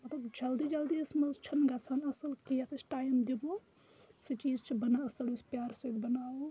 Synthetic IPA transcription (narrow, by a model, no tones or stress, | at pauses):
mɐt̪lɐbd͡ʒɐld̪id͡ʒɐld̪iɐsmɐzt͡ʃʰɐnɡɐsʰanɐsɐlkijɐt̪ʰisʈaːjmd̪ibo | sit͡ʃiːzt͡ʃʰibɐnaɐsɐlispjaːɾsɐd̪bɐnaːo